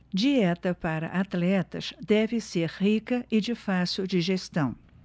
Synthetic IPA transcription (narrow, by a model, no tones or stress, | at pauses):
d͡ʒiɛt̪ɐpaɾɐ̰ʔat̪lɛt̪ɐ̰ʃd̪ɛvɪseɾhikɐʔɪd͡ʒɪfasʊd͡ʒɪʒest̪ɐ̃w̃